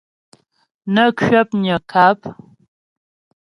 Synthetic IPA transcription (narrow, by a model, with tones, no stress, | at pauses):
nə˦kʰɥɛ˦p̚ɲə˨kʰa˦p̚